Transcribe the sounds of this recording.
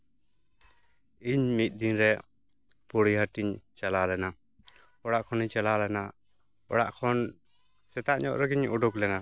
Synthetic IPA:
iɲmit̪̚ˀd̪inɾɛ | poɽiɦaʈiɲt͡ʃalalɛna | ɔɽaʔkʰɔniɲt͡ʃalalɛna | ɔ̰ɽa̰ʔkʰɔn | sɛt̪aʔɲɔ̰ʔɾɛɡiɲɔɖuklɛna

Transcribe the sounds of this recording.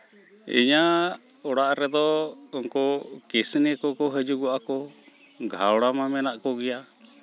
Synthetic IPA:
ḭɲa | ɔɽaʔɾɛd̪ɔɔŋkɔkisnɛkɔkɔɦəd͡ʒuɡɔʔakɔ | ɡʱawɽamamɛnaʔkɔɡɛja

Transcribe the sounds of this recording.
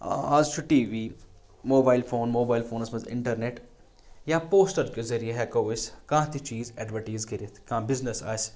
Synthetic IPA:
aːzt͡ʃʰuʈiːʋiː | moːbaːɪlfʰoːnmoːbaːɪlfʰoːnɐsmɐzɪ̰̃ɳʈəɾneːʈ | jaːpoːsʈəɾkezɐɾijeɦɛkɐɪskãːt̪it͡ʃiːzɛːɖʋəʈiːzɡɐɾet̪ʰkãːbɪznesa̰ːs

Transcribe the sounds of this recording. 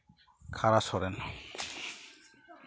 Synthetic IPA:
kʰaɾasɔɾɛn

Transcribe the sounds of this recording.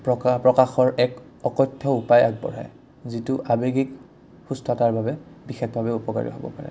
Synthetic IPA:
pɔpɹɔkaxɔɹʔɛk | ɔkɔjtʰːɔupajaɡ̚bɔ̰ɹɦɛ̰ | zitʊʔabeɡik | hustʰɔtaɹbʱabɛbixexbʱabɛupɔka̰ɹḭɦɔ̰bɔ̰paɹɛ̰

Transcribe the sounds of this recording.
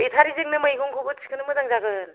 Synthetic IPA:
itʰaɾizeŋnɯmɯiɡɔŋkʰoɡɯtsʰi̥kʰɯnɯmɯzaŋzaɡɯn

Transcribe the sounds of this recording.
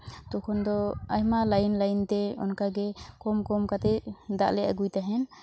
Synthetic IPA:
t̪ɔkʰɔnd̪ɔajmalajnlajnt̪ɛɔ̰nkaɡɛkɔmkɔmkat̪ɛd̪aʔlɛʔa̰ɡujt̪aɦɛn

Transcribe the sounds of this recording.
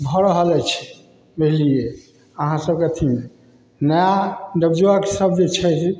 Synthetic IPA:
bʱəɾəɦəlɛt͡ʃʰɛ̥ | beɦlie | əɦãsəbket̪ʰime | nəjaɖəbd͡ʒuakesəb̚d͡ʒet͡ʃʰɛt̪ʰ

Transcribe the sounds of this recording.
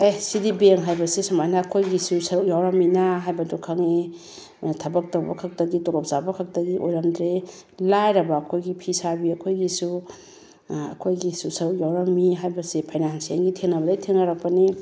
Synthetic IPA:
esidibeŋɦajbɐsesɐmajnaːkʰojɡisusɐɾuk̚jawɾamːinaɦajbɐdukʰaŋe | tʰɐbɐk̚tawbɐ̰kʰɐk̚tɐɡitolɔp̚zabɐkʰak̚tɐɡiʔojɾamdɾelajɾɐbaːkʰojɡipʰisabiɐkʰojɡisu | ɐ̰kʰojɡisusɐɾuk̚jawɾɐmːiɦajbɐsepʰajnansiaŋɡitʰeŋnɐbɐdajtʰeŋnɐɾɐk̚pɐni

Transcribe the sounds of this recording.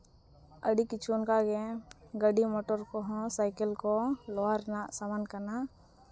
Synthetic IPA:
ə̰ɽikɪt͡ʃʰunkaɡẽɡəɖimoʈɔɾkoɦɔ̃saɪkəlkoloaɾnasamənkɐɾna

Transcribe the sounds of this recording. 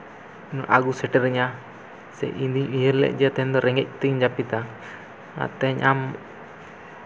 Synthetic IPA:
nɔʔaɡusɛʈɛɾɛɲa | sɛ̰ʔind̪iɲijəɾlɛ̰ʔ̚d͡ʒɛt̪ɛɲd̪ɔɾɛŋɛc̚t̪iɲd͡ʒapit̪a | a̰t̪ɛɲam

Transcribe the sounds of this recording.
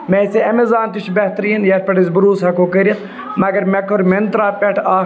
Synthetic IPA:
meseɐmezaːnt̪it͡ʃbɐht̪ɾiːnjɐɾpɐʈizbuɾuːshɐkoːkɐɾɐt̪ | mɐɡɐɾmɐkoɾment̪ɾaːpeʈʰaː

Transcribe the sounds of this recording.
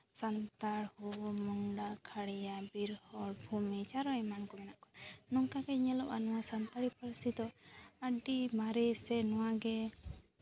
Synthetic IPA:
sant̪aɽhumɔŋɖakʰaɽɛjabiɾhɔɽbʱumit͡ʃaɾɔɛmankɔmɛnaʔkɔnnɔŋkaɡɛɲɛlɔʔanɔwasant̪aɽipəɾsid̪ɔəɖimaɾɛsɛnɔwaɡɛ

